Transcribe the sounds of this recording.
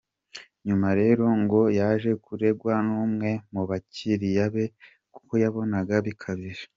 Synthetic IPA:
ɲumaɾe̞ːɾo̞ŋɡo̞jaːʒe̞kuɾe̞ɡwanuːmŋe̞muβaciɾijaβe̞ | ku̥ko̞jaβo̞naɡaβikʰaβiɾe̥

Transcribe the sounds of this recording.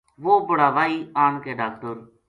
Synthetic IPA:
ʋoːbəɽaːʋaːiːaːɳkeːɖaːk̚ʈəɾ

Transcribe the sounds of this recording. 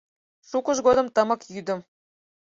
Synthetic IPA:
ʃukɤ̆ʒɡod̪ɤ̆mt̪ɤ̆mɤ̆kjyd̪ə̆m

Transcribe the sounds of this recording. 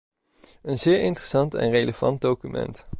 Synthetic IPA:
ənzɪːɹɪntrəsɑntɛ̰nrejləv̥ɑ̰nd̚dowkymɛ̰nt

